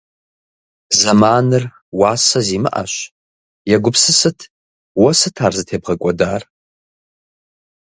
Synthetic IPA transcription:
zɐmaːnɨr | waːsɐziːmɨ̰ʔa̰ɕ | jɛɡʷʊpsɨsɨtʰ | wɐsɨtʰaːrzɨtʰeːbʁɐkʷʼɔdaːr

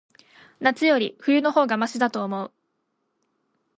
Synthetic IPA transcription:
nat͡sɨjo̞ɾʲiɸɯ̟jɯ̟no̞ho̞ːɡamaɕid̪at̪o̞ːmo̞ɯ̟

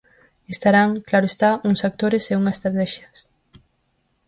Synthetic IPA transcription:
est̪aɾaŋklaɾoest̪auŋsak̚t̪oɾeseuŋase̥st̪ɾat̪ɛʃjɐs

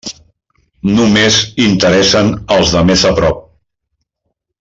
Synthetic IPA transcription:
numezint̪əɾɛsənəlˠzðəmezəpɾɔp̚

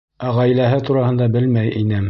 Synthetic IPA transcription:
æʁæjlæɦɘt̪uɾɑhɤ̆nd̪ɑbɘlmæjʔinɘm

